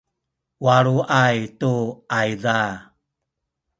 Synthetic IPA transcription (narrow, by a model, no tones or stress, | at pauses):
waɾuʔajtuajða